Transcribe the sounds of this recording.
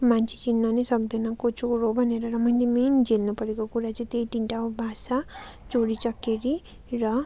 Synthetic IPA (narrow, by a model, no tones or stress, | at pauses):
mant͡ʃʰi̥t͡ʃinːʌnesʌkd̪enʌkot͡ʃuɾobʱʌneɾʌɾʌmʌnd̪emend͡ʒelnupʌɾekokuɾat͡sʌ̃ĩt̪ejʈiɳʈaobʱasa | t͡ʃoɽit͡ʃʌkːeɾi | ɾʌ